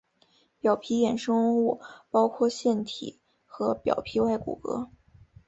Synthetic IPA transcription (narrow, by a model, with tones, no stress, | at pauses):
pjɑ˨˩ʊpʰi˧˥jɛ˨˩nʂɤ˥ŋ˥u˥˩pɑ˥ʊkʰwɔ˥˧ɕjɛ˥˩nt̪ʰḭ˨˩˦ | xɤ˧˥pjɑ̰˨˩ʊpʰi˧˥wa˥˩ɪkṵ˨˩kɤ̰˧˥